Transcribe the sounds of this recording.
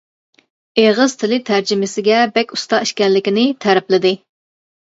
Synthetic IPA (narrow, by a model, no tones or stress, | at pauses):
eʁɨz̥t̪ʰɪlɪt̪ʰæɾd͡ʒɪmɪsɪɡʲɛbɛkʲu̥st̪ɑiʃkʲɛnlːɪkʲinɪt̪ʰɛɾɛplɪd̪ɪ